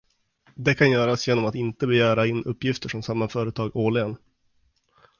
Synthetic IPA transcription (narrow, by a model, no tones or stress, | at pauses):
d̪ɛkʰanjœːɾasjeːnɔmat̪ɪnt̪əbɛjæːɾaɪnːʔɵpːjɪft̪əʂɔmsamːafœːɾət̪ʰɑːɡoːɭɪən